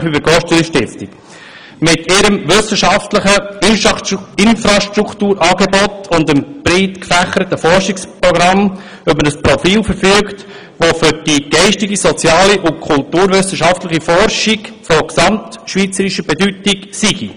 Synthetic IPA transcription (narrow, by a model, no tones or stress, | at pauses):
χybəɡɔʃtəliʃtɪsti̥ | mɪtʰɪɾəmʋʏsəʃɑftləχənɪnfɾaʃtɾuktuːɾʔɑːɡebɔtʰʊndəmb̥ɾitkfæχəɾətəfɔɾʃikspɾɔɡɾɑm | œpmənəspɾɔfiːlfəɾfyːəkt | ʋofʏɾd̥iɡ̥ɛɪʃtɪɡisɔt͡sjɑːliʔʊnkʰʊltuːɾʋʏsəʃɑftləχifɔɾʃiɡfɔksɑmtʃʋiːt͡səɾiʃəbɛdytɪksiɡi